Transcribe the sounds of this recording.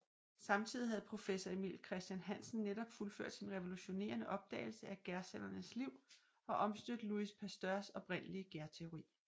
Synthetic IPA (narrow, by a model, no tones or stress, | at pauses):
sɑ̈mt͡sʰið̰ˠihæð̞̩ˠpʰʁo̝fesɒimḭlkʰʁɛsd̥jænɦæn̰sn̩ːedɒ̽b̥fulføɐ̰d̥sinʁeʋo̝luɕo̝ne̝̰ːɐnəʔɒ̽b̥̚d̥ɛ̰ːɪl̩səæɡ̥æɐsel̰ɐnəsliʊ̰ | ɒ̽ʔɒ̽msd̥ød̥luispʰæsd̥ɶɐsɒ̽b̥ʁen̰əliəɡ̥æɐt͡sʰe̝o̝ʁḭː